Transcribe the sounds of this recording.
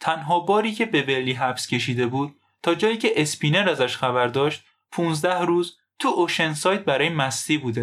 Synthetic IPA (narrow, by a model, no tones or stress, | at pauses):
t̪ʰænɦɒːbɒːɾiːcʰe̞be̞velːiːɦæfscʰʲe̞ʃiːd̪e̞buːd̪̚ | t̪ʰːɒːd͡ʒɒːjiːcʰe̞ʔespʰiːneɾæzæʃxæbæɾd̪ɒːʃt̪ | pʰuːnzd̪æhɾuːz | t̪ʰuʔoʃensɒːjt̪̚bæɾɒːjemæst̪iːbuːd̪e